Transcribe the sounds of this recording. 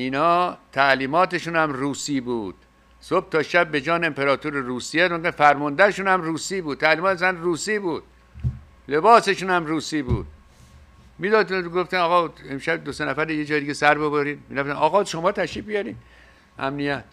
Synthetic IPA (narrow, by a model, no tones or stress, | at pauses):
ʔinɒːt̪ʰæʔliːmɒːt̪eʃuːnhæmruːsiːbuːd̪̥ | sob̥̚t̪ʰɒːʃæb̚ːe̞d͡ʒɒːneempʰeɾɒːt̪ʰoɾeɾuːsijed̪oŋɡefæɾmɔnd̪æɾeʃuːnhæmruːsiːbuːd̪̚t̪ːʰæliːmɒːt̪sænruːsiːbuːd̪̥̚ | lebɒːse̞ʃuːnhæmruːsiːbṵːd̪̥̚ | miːd̪ɒːd̪ɡoft̪ænɒːɣɒemʃæbd̪osenæfæɾijed͡ʒɒːjed̪iɡesæɾbeboɾiːd̪miɾæft̪ænɒːɣɒːʃomɒːt̪ʰæʃiːf̚bijɒɾiːd̪ | ʔæmnijæt̪